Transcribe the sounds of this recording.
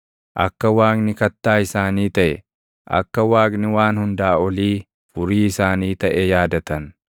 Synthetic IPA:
ʔɐ̰kːɐwaːknɪkɐt̪ːaːɪsaːniːt̪ɐʔɛ̰ | ʔɐ̰kːɐwaːknɪwaːnhʊnd̪aːɔliː | fʊɾiːɪsaːniːt̪ɐʔɛjaːd̪ɐt̪ɐn

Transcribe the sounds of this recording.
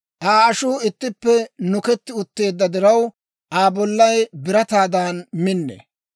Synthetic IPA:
ʔaːɐʃuːɪt̪ːɪpːɛnʊkɛt̪ːɪʊt̪ːe̞ːd̪ːɐd̪ɪɾɐw | ʔaːbɔlːɐjbɪɾɐt̪aːd̪aːnmɪnːḛ

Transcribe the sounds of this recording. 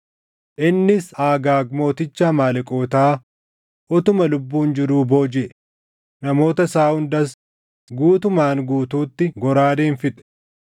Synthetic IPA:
ʔɪnːɪsaːɡaːɡmo̞ːt̪ɪt͡ʃːaːmaːlɪkʼoːt̪aː | ʔɔt̪ʊmɐlʊbːuːnd͡ʒɪɾuːbo̞ːd͡ʒɛʔ | nɐmo̞ːt̪ɐsaːhʊnd̪ɐs | ɡuːt̪ʊmaːŋɡuːt̪uːt̪ːɪɡɔɾaːd̪eːnfɪt̪ʼɛ̥

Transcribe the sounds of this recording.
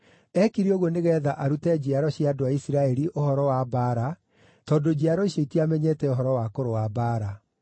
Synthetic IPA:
ɛkiɾioɣoneɣɛːðaʔaɾutɛd͡ʑiaɾɔɕjiadoaisiɾaɛɾiʔohɔɾɔwabaːɾa | tɔːdod͡ʑiaɾɔiʃeitiamɛɲɛtɛoɦɔɾɔwakoɾowabaːɾa

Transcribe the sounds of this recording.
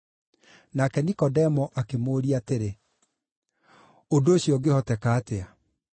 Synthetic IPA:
nakɛnikɔdɛmɔʔakemoːɾiateɾe | ondoːɕjɔɡehɔtɛkaːtea

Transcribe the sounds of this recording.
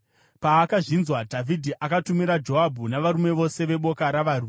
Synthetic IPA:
paːkaʐinzwadʱavʱidʱiʔakatumiɾad͡ʒo̞ɦabʱunaʋaɾume̞ʋo̞se̞ʋe̞ɓo̞kaɾaʋaːrume

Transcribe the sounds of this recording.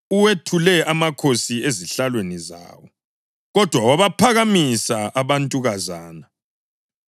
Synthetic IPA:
uwetʰulɛʔamakʰosieziɬalweniza̰ːwɔ | ɣɔd̥ʱwawaβapʰaɣamisaaβantʼuɣazaːna

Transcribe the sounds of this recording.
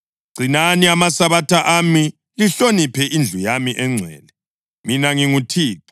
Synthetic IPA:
ɡ͡ǀʱinaniamasaβatʰaʔami | liɬonipʰɛʔind͡ɮʱujamiʔɛŋ͡ǀʱɛ̰ːlɛ | minaŋiŋutʰiːǁu

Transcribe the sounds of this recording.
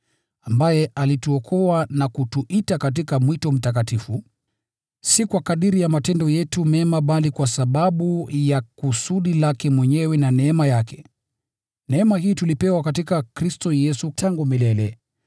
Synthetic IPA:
ambajɛalituɔkʰɔwanakutuʔitakat̬ikamwitɔm̩tak̬atifu | sikwakaɗiɾijamatɛndɔjɛtumɛmaɓalikwasaɓaɓujakusuɗilakɛmwɛɲɛwɛnanɛɛmajakɛ | nɛɛmahiːtulipɛwakatikakɾistɔjɛsutʰaŋɡumilɛlɛ

